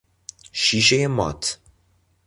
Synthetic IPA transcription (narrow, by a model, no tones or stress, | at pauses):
ʃiʃejɛmɑ̰t̪